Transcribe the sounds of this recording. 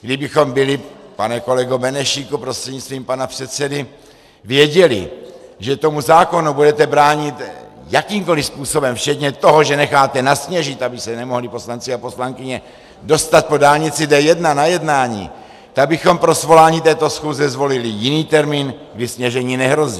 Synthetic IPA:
ɡdɪbɪxo̞mbɪlɪpanɛko̞lɛɡobɛnɛʃiːkupɾost̪r̥ɛdɲit͡st̪viːmpanapr̥ɛt̪sɛdɪ | vjɛɟɛlɪ̰ʒɛt̪o̞muzaːko̞nubudɛt̪ɛbɾaːɲɪt̪ | jakiːmko̞lispuːso̞bɛmft͡ʃɛt̪ɲɛt̪o̞ɦo̞ʒɛnɛxaːt̪ɛnasɲɛʒɪt̪abɪsɛnɛmoɦlɪpo̞slant͡sɪapo̞slaŋkɪɲɛ | do̞st̪at̪̚po̞daːlɲɪt͡sɪdɛjɛdnanajɛdnaːɲḭː | t̪aɡ̚bɪxo̞mpɾo̞svo̞laːɲiːt̪ɛːt̪o̞sxuːzɛzvo̞lɪlɪjɪniːt̪ɛɾmiːnɡdɪsɲɛʒɛɲiːnɛɦɾo̞ziː

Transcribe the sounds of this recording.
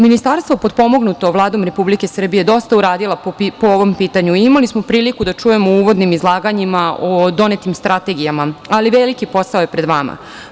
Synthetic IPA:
minist̪aɾst̪ʋopod̪po̞mo̞ɡnut̪o̞ʋlˠaːd̪omɾe̞publike̞sr̩bije̞d̪o̞st̪auɾaːd̪ilapooʋo̞mpiːt̪aɲuiimalismo̞pɾiːlikud̪at͡ʂuje̞mouʋo̞d̪nimizlˠaːɡaɲimaod̪o̞net̪imst̪ɾat̪e̞ɡijamaaliʋelikipo̞saojepɾe̞d̪ʋama̰

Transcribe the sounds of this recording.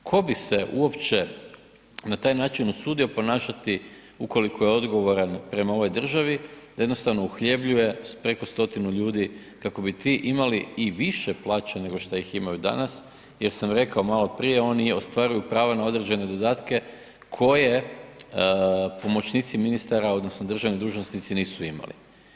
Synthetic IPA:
kʰo̞biseʔuo̞pt͡ʃe | nat̪aːjnaːt͡ʃinusuːd̪io̞po̞naːʃat̪i | uko̞likʰo̞jeo̞d̪ɡo̞ʋo̞ɾanpɾe̞mao̞ʋo̞jd̪r̩ʒaʋid̪ajed̪nost̪aʋno̞uxʎe̞bʎuje̞pɾe̞ko̞st̪o̞t̪inuʎuːd̪i | kako̞bit̪iʔimaliiʋiʃe̞plˠaːt͡ʃane̞ɡo̞ʃt̪ajiximajud̪a̰nas | je̞ɾsamɾe̞kaomaːlo̞pɾije̞o̞ːnio̞st̪ʋaɾujupɾaːʋanao̞d̪ɾe̞d͡ʑe̞ne̞d̪o̞d̪aːt̪ke̞ | kʰo̞je̞ | po̞mo̞t͡ʃniːt̪siminist̪aɾao̞d̪no̞snod̪r̩ʒaʋnid̪uːʒnosnit̪siniːsuima̰lḭ

